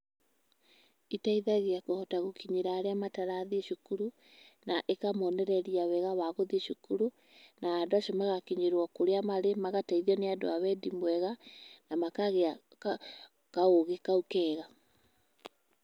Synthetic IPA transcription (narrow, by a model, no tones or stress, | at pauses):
itaiðaɣeakohɔtaɣokiɲeɾaːɾeamataɾaðieʃukuɾu | naʔekamɔnɛɾɛɾiawɛɣawaɣoðieʃukuɾu | naːdoaʃɔmaɣakiɲeɾwɔkoɾeamaɾemaɣataiðiɔneado̰awɛdimwɛɣanamakaɣea | kaoɣekaukɛːɣa